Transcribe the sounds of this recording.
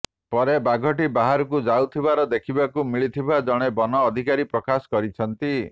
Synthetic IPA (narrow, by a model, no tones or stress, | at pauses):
pɔɾebaɡʱɔʈibaɦaɾɔkud͡ʒawt̪ʰibaɾɔd̪ekʰibakumiɭit̪ʰibad͡ʒɔɽ̃ebɔnɔːd̪ʱikaɾipɾɔkasɔ̥kɔɾit͡ʃʰɔnt̪i